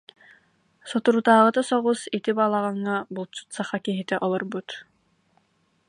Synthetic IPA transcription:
sɔt̪uɾut̪aːʁɯt̪asɔʁusit̪ibaːlˠaʁɑŋːabulˠt͡ʃu̥t̪saχakiɦit̪ɛʔɔlˠɔɾbut̪

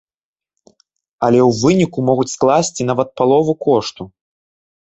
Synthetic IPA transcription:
ɐlʲɛwvɨnʲikumɔɣut͡sʲsklˠasʲt͡sʲinavɐt̪̚palˠɔvukɔʂt̪u

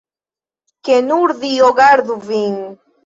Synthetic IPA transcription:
kenuɾðioɣaɾðuviŋ

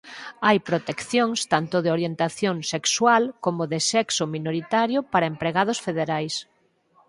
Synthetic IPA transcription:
ajpɾot̪ekθjoŋst̪ant̪ʊðeoɾjent̪aθjoŋsekswalkomʊðɪsɛksʊminoɾit̪aɾjʊpaɾɐempɾeɣað̞ʊsfeðeɾajs

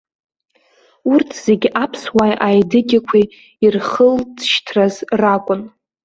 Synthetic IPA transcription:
urtʰz̥e̞ɡʲapʰswajʔajdɨkʲʼakʷʰiː | rχəldʃtʰrazrakʷʼʊn

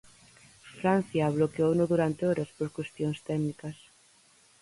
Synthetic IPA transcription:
fɾan̟θjaβlokeownoðuɾant̪eɔɾɐspoɾkwest̪joŋst̪ɛnikɐs

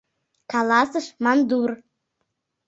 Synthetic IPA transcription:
kɑlɑsɤʃmɑnd̪ur

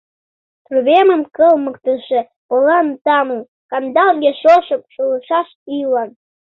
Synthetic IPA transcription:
t̪ruβemə̆mkəlməkt̪ə̆ʃĕ | polɑnt̪ɑmə | kɑnd̪ɑlɣʲeʃoʃə̆p̚ʃulɤʃɑʃilɑn

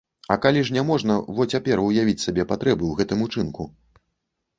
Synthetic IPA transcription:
ɐkalʲiʐnʲɛmɔʐnɐvɔt͡sʲapʲɛrujavʲit͡sʲsʲabʲɛpat̪ɾɛbɨwɣɛt̪ɨmut͡ʂɨnku

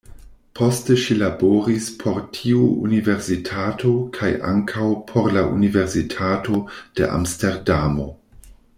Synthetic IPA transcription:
pʰo̞steʃilaboɾispʰo̞ɾtʰiuṵniveɾsitʰatʰokʰajʔa̰ŋkʰawpʰoɾlaʔuniveɾsitʰato̞d̥ḛʔa̰msteɾdamo̞̰

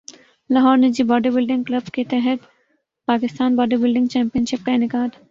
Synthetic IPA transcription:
lɐɦɔːɾned͡ʒiːbɔːɖəɾbɪlɖɪ̃ŋɡklɐbket̪ɛɦɛt̪ | paːkɪst̪aːnbɔːɖəɾbɪlɖɪ̃ŋɡt͡ʃɛ̃ːmpijənʃɪp̚kanɪkaːd̪

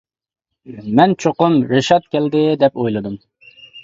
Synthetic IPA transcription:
mɛnt͡ʃʰoqʊmɾɪʃɑt̪̚kʲɛld̪ɪd̪ɛpojlˠɨd̪um

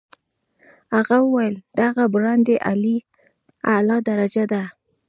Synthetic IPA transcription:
haɣawəwajld̪̥aɣabɾɑnd̪eʔali | alɑd̪aɾad͡ʒad̪a

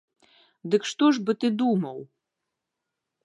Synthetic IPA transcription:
d̪ɨkʂt̪ɔʐbɨt̪ɨd̪umɐw

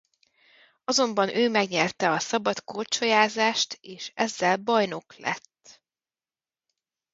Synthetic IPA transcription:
ɒzo̞mbɒnʔøːmɛɡɲɛrt̪ɛɒsɒbɒt̪kort͡ʃojaːzaːʃt̪eːʃɛzːɛlbɒjno̞klɛ̰t̪ː

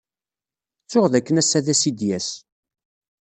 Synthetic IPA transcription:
t͡sːʊʁðækːənæsæðæsid̪jæs

